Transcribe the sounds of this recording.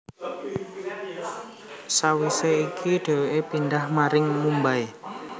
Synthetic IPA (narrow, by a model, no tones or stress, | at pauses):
sawiseikʰiɖ̥e̤weʔepind̪ahmaɾɪŋmumbaj